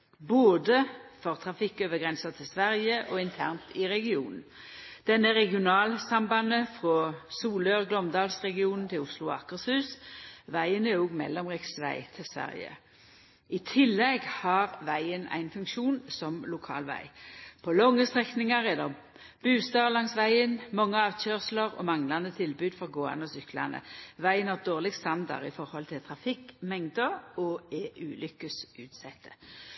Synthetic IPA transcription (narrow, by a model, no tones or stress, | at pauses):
boːd̪əfɔʁt̪ʰʁɑfɪkːøːʋəɡʁɛnsɑt̪ʰɪlsʋæʁjəʔɔːɪnt̪ʰæ̰ʁnt̪ɪʁɛɡɪuːnn̩ | d̪̥ɛnːəʁɛɡɪʊnɑːlsɑmbɑnəfʁoːsuːløːʁɡlɔmd̪ɑːlsʁɛɡɪuːnn̩t̪ʰɪlʊslʊɑ̰kːəshʉːsʋæɪənɛoːɡmɛ̰lːɔmʁɛksʋæ̰ɪt̪ʰɪlsʋæ̰ʁjə̰ | ɪt̪ʰɪlːɛɡhɑʁʋæɪənæ̰ɪnfʉŋkʃuːnsɔmlʊkʰɑ̰ːlʋæ̰ɪpʰɔlɔŋːəst̪ʁɛknɪŋɑɾɛd̪ɛ | b̥ʉːst̪ɑːlɑŋsʋæɪənmɔŋːəɑːʋc͡çøːʁsləʁɔ̰mɑŋlɑnət̪ʰɪlbʉːd̪fɔʁɡoːɑ̰nəɔsʏklɑ̰nə̰ʋæɪənɑʁd̪oːʁlɪɡst̪ɑnd̪ɑ̰ʁɪfɔʁhɔlt̪ʰɪlt̪ʰʁɑfɪkmɛŋd̪əɔɛʔʉːlʏkəsʔʉːt̪sɛt̪ʰːə̥